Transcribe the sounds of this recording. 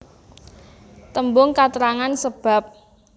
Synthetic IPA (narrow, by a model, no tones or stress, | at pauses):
t̪əmbʊŋkat̪əɾaŋansəb̥a̤p̚